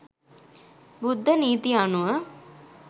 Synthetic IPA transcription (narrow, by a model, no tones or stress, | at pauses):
bud̪ʱːəniːt̪ianuʋə